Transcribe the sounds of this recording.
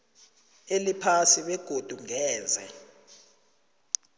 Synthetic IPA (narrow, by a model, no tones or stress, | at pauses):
elipʰasiɓɛɡ̥ʱod̥ʱuŋɛːzɛ̰